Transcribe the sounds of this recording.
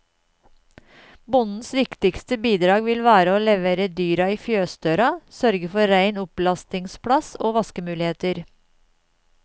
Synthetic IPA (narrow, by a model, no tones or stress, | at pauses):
bʊnn̩sʋɪkt̪ɪkst̪əbiːd̪ɾɑːɡʋɪlʋæːɾəoːlɛʋeːɾəd̪yːɾɑiːfjøːst̪øːɾɑsœɾɡəfɔɾæɪnʊplɑst̪ɪŋspʰɽɑsoːʋɑskəmʉːlɪheːt̪əɾ